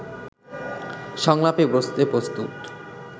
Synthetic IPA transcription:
ʃɔŋlapebɾost̪epɾost̪ut̪

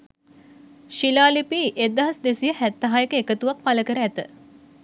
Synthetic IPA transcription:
ʃilaːlipiʔed̪ɐɦɐsd̪esijəhæt̪ːɐɦajekəekət̪uʋak̚paləkəɾəæt̪ə

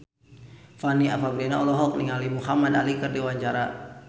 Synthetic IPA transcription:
faniafabɾianaɔlɔɦɔk̚niŋalimuhamadalikɨrdiwaɲt͡ʃaɾa

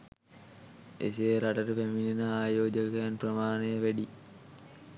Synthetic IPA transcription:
ḛsejɾaʈɐʈəpæminenəaːjoːd͡ʒəkɐjanprɐmaːnejəʋæɖi

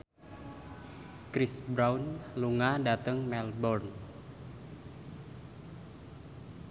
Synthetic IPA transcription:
kɾisbɾawnluŋadat̪əŋmɛlbɔrn

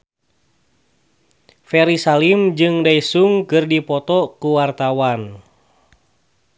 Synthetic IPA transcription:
fɛɾisalimd͡ʒɨŋdaisuŋkɨrdipɔt̪ɔkuwart̪awan

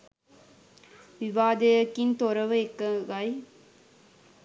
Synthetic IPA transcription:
ʋiʋaːd̪ɐjɐkːint̪oɾɐʋəekːɐɡɐj

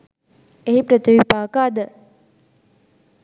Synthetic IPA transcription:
eɦipɾət̪iʋipaːkaːd̪ə

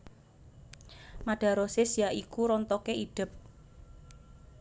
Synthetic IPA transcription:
maɖ̥a̤ɾosesijaʔikuɾɔnt̪ɔkeid̥ə̤p̚

